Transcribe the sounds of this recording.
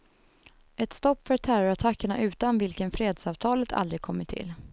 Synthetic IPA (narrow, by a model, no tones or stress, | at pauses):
ʔɛt̪st̪ɔpːfœɾt̪ʰæːɾʊɾat̪ʰakːəɳaʔʉ̟ːt̪anvɪlkənfɾeːd̪sɑːvt̪ʰɑːlət̪ʰa̰ld̪ɾɪɡ̚kʰɔmːəʈʰɪ̰l